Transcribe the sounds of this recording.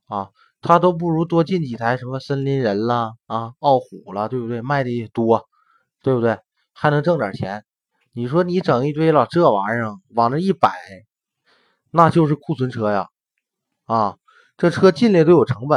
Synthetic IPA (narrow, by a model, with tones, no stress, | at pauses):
ɐ˥˧ | t̪ʰa˥t̪̬o˥ʊp̬u˥˩ɻu˧˥t̪wɔ˥t͡ɕi˥˩nt͡ɕi˨˩t̪ʰa˧˥ɪʂə˧˥mə˧sə˥nli˧˥nɻə˧˥nlə˧ɐ˧˩ɑ˥˩ʊxu˨˩lə˦t̪we˥˩ɪbu˧t̪we˥˩ɪma˥˩ɪd̪ə˧˥˩t̪wɔ˥ɐ˧ | t̪we˥˩bu˩t̪we˥˩ɪ | xa˧˥ɪnɤ˧˥ŋʈ͡ʂɤ˥˩ŋd̪ə̰˨˩t͡ɕʰjɛ̰˧˥n | ni˨˩ʂwɔ˥ni˧˥ʈ͡ʂɤ˨˩ŋi˥˧t̪we˥ɪlə˨˩ʈ͡ʂɤ˥˩wa˧˥ʂɤ˧˥ŋwɑ˨˩ŋlə˧i˥˩pa˨˩˦ɪ | na˥˧t͡ɕjo˥˧ʊʂ̬ɻ̩˥˩kʰu˥˩sʰwə˧˥nʈ͡ʂʰɤ˥ja̰˨ | ɐ˧˩ | ʈ͡ʂɤ˥˩ʈ͡ʂʰɤ˥t͡ɕi˥˧nljt̪o˥ʊjo˨˩ʊʈ͡ʂʰɤ˧˥ŋbə˨˦